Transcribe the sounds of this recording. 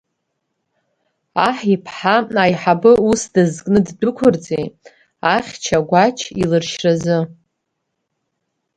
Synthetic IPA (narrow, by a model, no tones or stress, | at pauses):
aħipʰħaajħabɨusdazkʼnɨddʊkʷʰʊrt͡sʼej | aχʲt͡ʃʰaɡʷat͡ʃʰḭlɨrʃrazɨ